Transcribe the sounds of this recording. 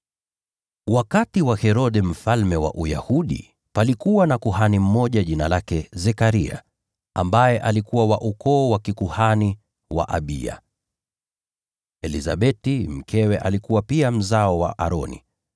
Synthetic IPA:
wakatiwahɛɾɔɗɛm̩falmɛwa̰ʔuja̰huɗḭ | palikuwanakuhanim̩mɔʄaʄinalakɛzɛkaɾia̰ | ambajɛʔalikuwawaʔukɔːwakikuhani | wa̰ʔa̰ɓḭa̰ | ɛliza̰ɓɛtim̩kʰɛwɛʔalikuwapiam̩zaɔwa̰ʔa̰ɾɔnḭ

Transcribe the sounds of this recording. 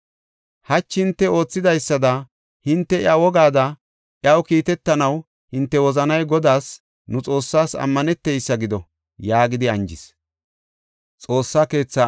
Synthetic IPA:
hɐt͡ʃːhɪnt̪ːɛo̞ːt͡sːɪd̪ɐjsːɐd̪ɐ | hɪnt̪ːɛɪawɔɡaːd̪ɐ | ʔɪɐwkiːt̪ɛt̪ːɐnɐw | hɪnt̪ːɛwɔzɐnɐjɡɔd̪aːs | nʊt͡sʼo̞ːsːaːsɐ̰mːɐnɛt̪ːɛjsːɐɡɪd̪ɔ | jaːɡɪd̪ɪɐnd͡ʒɪs | t͡sʼo̞ːsːaːke̞ːt͡sːa

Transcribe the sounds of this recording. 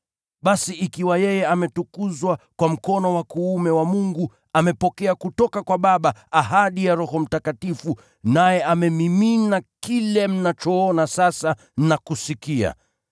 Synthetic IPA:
ɓasiʔikiwajɛjɛamɛtukuzwakwam̩kɔnɔwakuumɛwamuŋɡu | amɛpɔkɛakutɔkakwaɓaɓaːɦaɗijaɾɔɦɔm̩takatifu | najɛʔamɛmiminakilɛm̩nat͡ʃɔɔnasasa | nakusikia̰

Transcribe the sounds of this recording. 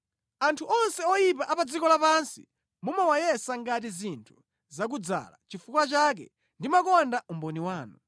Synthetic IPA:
antʰuʔɔnsɛɔjipaʔapad͡zikɔlapansi | mumɛwajɛsaŋɡat̬izintʰu̥ | zak̬ud͡za̰la̰t͡ʃifukwat͡ʃak̬ɛ̰ | ndimakɔndaumbɔniwaːnu

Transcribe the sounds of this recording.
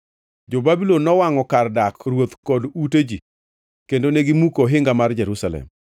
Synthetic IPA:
d͡ʒobabilɔnːɔwaŋɔkardakrwot̪kɔduted͡ʒi | kendoneɡimukoɦɪŋɡamard͡ʒɛɾusalɛ̰m

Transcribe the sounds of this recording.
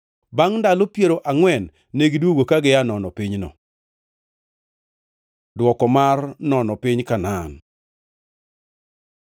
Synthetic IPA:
baŋndalopjeɾoʔaŋwɛnː | eɡidwoɡokaɡɪjanɔnɔpiɲnɔ̰ | dwɔkɔmarnɔnɔpɪɲkanan

